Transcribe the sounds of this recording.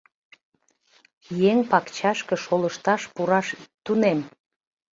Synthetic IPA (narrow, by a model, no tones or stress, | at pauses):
jeŋpɑkt͡ɕɑʃkə̆ʃoləʃt̪ɑʃpuɾɑʃt̪unem